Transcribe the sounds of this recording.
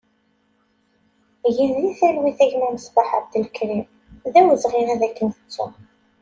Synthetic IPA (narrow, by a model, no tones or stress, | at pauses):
ʝinðiθælwiθæʝnuməsˤbaħa̰d̪əlkɾim | ðæwəzʁinæðækːənθə̥t͡sːʊ̰